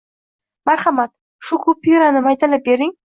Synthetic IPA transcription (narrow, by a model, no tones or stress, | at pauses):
maɾχɑmat̪ | ʃukʰʊpiɾanɨmajt̪alɪp̚beɾɪŋ